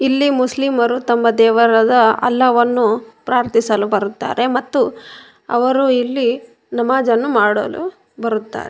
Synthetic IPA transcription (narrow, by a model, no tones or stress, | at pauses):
ilːimuslimɐɾut̪ɐmːɐd̪ɛːʋɐɾɐd̪ɐɐ̰lːɐʋɐnːupɾaːɾt̪isɐlubɐɾut̪ːa̰ːɾe̞mɐt̪ːu | ɐ̰ʋɐɾuilːi | nɐmaːd͡ʒɐnːumaːɽɐlṵ | bɐɾut̪ːa̰ːɾe